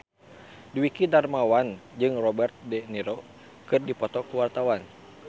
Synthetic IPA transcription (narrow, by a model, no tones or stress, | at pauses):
diwikidarmawand͡ʒɨŋrɔbɛrt̪̚dɛniɾo | kɨrdipɔt̪ɔkuwart̪awan